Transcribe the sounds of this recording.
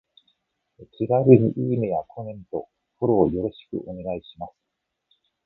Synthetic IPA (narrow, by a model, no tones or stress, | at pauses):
kʲʰiɾaɾɯ̟ɾiʔiːmejakʰomẽ̞nt̪o̞ | poɾo̞ːjo̞ɾo̞ɕi̥kɯ̟̰ʔo̞ne̞ɡaiɕimasɨ̥